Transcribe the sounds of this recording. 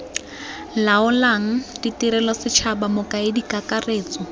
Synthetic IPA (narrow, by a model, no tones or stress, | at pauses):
laʊlaŋ̩titiɾɛlɔsɪt͡ʃʰabamʊkʼaedikʼakʼareːt͡sʼɔ